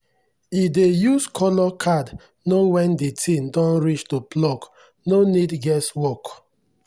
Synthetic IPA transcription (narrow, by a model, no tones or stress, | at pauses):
idejuskʰɔlɔkʰad | nowɛ̃ndetʰĩndɔ̃nɹit͡ʃtuplɔk | nonidɡɛswɔk